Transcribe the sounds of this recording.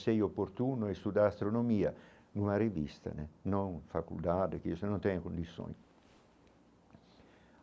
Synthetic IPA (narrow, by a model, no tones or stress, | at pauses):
sɛjopːoɾt̪uːnoɛst̪ud̪aːst̪ɾonomiːa | numaɾevḭst̪a̰nenɔŋfakṵld̪aːd̪ek̟isenɔnt̪ɛnekund̪isːo̰ːn